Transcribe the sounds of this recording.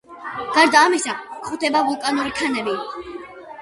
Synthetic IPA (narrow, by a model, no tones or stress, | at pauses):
ɡ̥aɾd̪aːmisakχut̪ʰɛbavulˠkʼanuɾikʰanɛbi